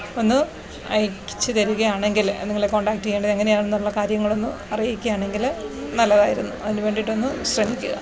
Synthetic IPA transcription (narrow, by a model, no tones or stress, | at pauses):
o̞nːɨ | ɐjkːi̥t͡ɕːɨt̪ɐɾuɣɐjaːɳe̞ŋɡilɐ̰nːeŋɡileko̞ːɳɖaːk̚ʈːijeːɳɖɐðeŋːɐne̞jaːɳenːuɭːɐkaːɾjɐŋːɐɭo̞nːɨ | ɐrijikʲːujaːɳe̞ŋɡilnɐlːɐðaːjiɾunːuɐðinɨʋe̞ːɳɖiʈːo̞nːɨɕrɐmikʲːuɣɐ̰